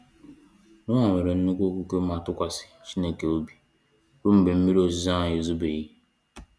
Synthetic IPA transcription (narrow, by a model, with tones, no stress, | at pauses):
nʊ˦ŋa˨ŋʷe˨ɾe˨n̩˦nu˦kʷo˦kʷu˦ke˦ma˨tʊ˦kʷa˨sɪ̥˨t͡ʃi˦ne˨ke˨o˦bi˨ | ɾʊ˦m̩˨be˨m̩˦mi˦ɾo˦˨zi˦za˦a˨je˨zu˦be˨ɣi˦